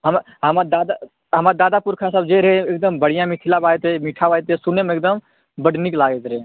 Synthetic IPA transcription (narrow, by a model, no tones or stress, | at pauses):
ɦəm | ɦəmad̪aːd̪a | ɦəmaɾd̪aːd̪apuɾkʰasəbd͡ʒeɾɦeek̚d̪əmbəɽ̤ijãmiʈ̪ʰilabaːet̪emiʈʰaʋaːjt̪esunemekd̪əm | bəɖniklaːɡet̪ɾe